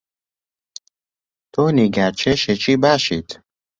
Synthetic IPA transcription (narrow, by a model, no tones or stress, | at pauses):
t̪ʰoniɡaɾt͡ʃʰeʃet͡ʃʰibaːʃit̪